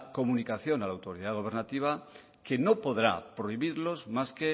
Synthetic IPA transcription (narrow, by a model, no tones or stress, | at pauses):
ko̞mũnikaθjo̞nalawt̪o̞ɾiðaðɣ̞o̞β̞e̞ɾnat̪iβ̞a | ke̞nopo̞ðɾa̰pɾo̞iβiɾlo̞zmaske